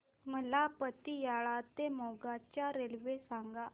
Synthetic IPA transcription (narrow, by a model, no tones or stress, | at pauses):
məlapət̪ijaɭat̪emoɡat͡ɕjaɾelʋesaŋɡa